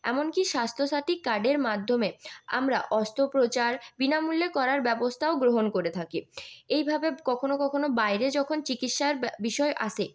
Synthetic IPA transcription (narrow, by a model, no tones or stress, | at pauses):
ɛ̰monkiʃast̪ʰoʃat̪ikːaɖeɾmad̪ʱːomea̰mɾaʔɔst̪ʰopɾot͡ɕaɾbinamulːekɔɾaɾbɛbost̪ʰaoɡɾoɦonkoɾet̪ʰakiejbʱabekɔkʰonokɔkʰonobajɾed͡ʑɔkʰont͡ɕikit̪ʃaɾbiʃɔeʔaʃʰe